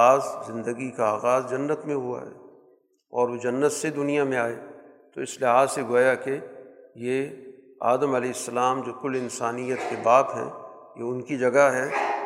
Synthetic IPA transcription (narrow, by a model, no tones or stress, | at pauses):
aːzzɪ̃nd̪əɡikaaːɣaːzd͡ʒɐnːət̪mẽɦua̰ɦɛ̰ː | ɔːɾʋod͡ʒɐnːət̪sed̪ʊnijamẽaːeː | t̪oɪslɪɦaːzseɡoːjakeje | a̰ːd̪əmɐlɛːɪsːəlaːmd͡ʒoːkʊlɪ̃nsaːnijət̪kebaːt̪ɦɛ̰̃ː | jḛʊnkid͡ʒɐɡaɦɛː